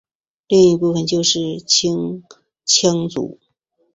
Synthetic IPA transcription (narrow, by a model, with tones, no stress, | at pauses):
li˥˧ŋi˧˥pu˥˩fə˧˩nt͡ɕjo˥˧ʊʂɻ̩˥˩t͡ɕʰi˥ŋ | t͡ɕʰi˥ŋt͡sṵ˨˩˦